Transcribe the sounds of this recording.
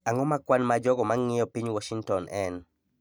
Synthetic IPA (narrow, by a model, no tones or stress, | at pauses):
aŋɔmakwanmad͡ʒɔɡɔmaŋːɪjɔpiɲwɔʃiŋtɔnʔɛn